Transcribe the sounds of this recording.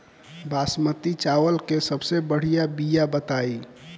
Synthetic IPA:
basmət̪it͡ʃawəlkesəbsebəɽ̤ijabijabət̪ai

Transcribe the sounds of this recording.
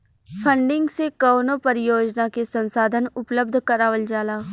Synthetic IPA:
pʰə̃ɳɖɪ̃ŋɡsekɔːnopɐɾɪjoːd͡ʒnakesɐ̃nsaːd̪ʱənʊpləb̚d̪ʱkɐɾaːʋəld͡ʒaːlaː

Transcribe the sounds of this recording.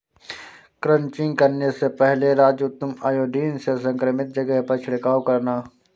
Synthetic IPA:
kɾɐ̃ɲt͡ʃɪ̃ŋɡkɐɾnesepɛɦleɾaːd͡ʒʊt̪ːəmaːjoːɖiːnsesɐ̃ŋkɾəmɪt̪̚d͡ʒɐɡəɦpɐt͡ʃʰɽɪkaːokɐɾnaː

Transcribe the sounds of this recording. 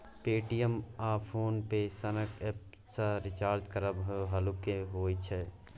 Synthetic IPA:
peːʈijəmaːpʰoːnpesənəkɛːp̚ | saɾɪt͡ʃaːɾd͡ʒkəɾəbɦojoɦəlukeɦoːit͡ʃʰɛ

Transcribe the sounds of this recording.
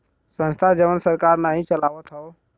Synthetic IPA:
sə̃nst̪ʰad͡ʒəʋənsəɾkaɾnaɦĩt͡ʃəlaʋət̪ɦəʊ

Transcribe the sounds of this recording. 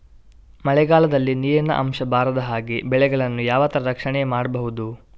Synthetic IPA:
mɐɭɛɡaːlɐd̪ɐlːiniːɾɐnɐ̰ʔɐ̰mʃɐbʱaːɾɐd̪ɐɦaːɡebɛɭɛɡɐɭɐnːujaːʋaːt̪ːɐɾɐɾɐkʂɐɳɛjmaːɽɐbɐɦud̪u

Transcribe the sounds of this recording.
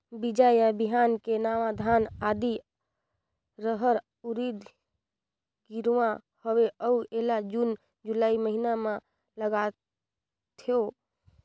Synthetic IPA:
bid͡ʒajabiɦankenaʋad̪ʱanad̪i | ɾəɦəɾ | uɾid̪ | ɡiɾã | howeʔəuelad͡ʒun | d͡ʒulaiməɦiname | ləɡa | t̪ʰio

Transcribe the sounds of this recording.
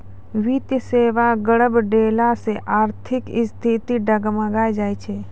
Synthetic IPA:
ʋit̪jəseːʋaɡəɽəbɖeːlaseʔaːɾt̪ʰɪkɪst̪ʰit̪iɖəɡmə̃ɡaːjd͡ʒaːit͡ʃʰeː

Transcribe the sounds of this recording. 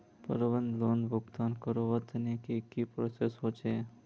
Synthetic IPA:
pə̰ɾəʋənd̪loːnʋʱʊɡd̪ankəɾoʋət̪ʰənekekipɾosesɦot͡ʃʰe

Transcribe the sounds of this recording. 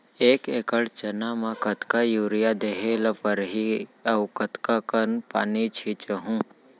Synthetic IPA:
eːkeːkəɽt͡ʃɐnamakɐt̪kajuːɾijad̪eɦelɐpəɾɦiɐwkət̪kakənpa̰ːnit͡ʃʰit͡ʃəɦũ

